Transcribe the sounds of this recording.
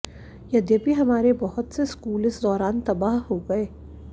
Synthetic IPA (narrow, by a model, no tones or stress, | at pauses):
jɐd̪ibʱiɦɐmaːɾebɐɦʊt̪seskuːlɪsd̪ɔːɾaːnt̪ɐbaːɦɦoɡɐeː